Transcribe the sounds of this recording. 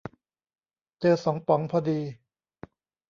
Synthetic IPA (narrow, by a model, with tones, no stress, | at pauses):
t͡ɕɤː˧sɔ˩˦ŋpɔ˨˩˦ŋpʰɔː˧diː˧